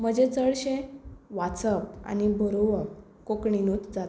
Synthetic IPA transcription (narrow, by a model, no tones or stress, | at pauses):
m̤əd͡ʑed͡zəɭɕẽʋat̪səpa̰nibʱəɾoʋə | kokɳinuːt͡sd͡zat̪